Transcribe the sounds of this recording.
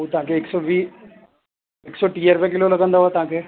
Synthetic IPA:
ot̪ãːkeɪksɔːʋiː | ɪksɔːʈiːeɾʋẽk̬ɪloːləɡə̃nd̪aːɦoaːt̪ãːkeː

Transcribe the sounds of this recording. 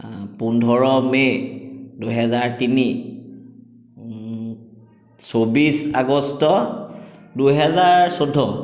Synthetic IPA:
pundʱɔɹɔme | duɦɛzaɹtini | sobisa̰ɡɔstɔ | duɦɛzaɹsodʱːɔ

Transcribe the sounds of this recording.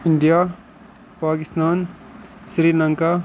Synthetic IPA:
iɳɖija | paːkist̪aːn | sɾiːlɐŋka

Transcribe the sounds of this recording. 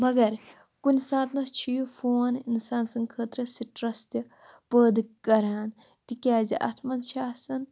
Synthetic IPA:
mɐɡɐɾ | kunsãːt̪nɐt͡ʃʰijupʰoːninsaːnsɐ̃ŋɡkʰəːt̪ɾɐsiʈɾɐst̪ɐ | pəːd̪kɐɾaːn | t̪ikʲaːd͡ʒɐʔɐ̰t̪ʰmɐnʃaːsɐn

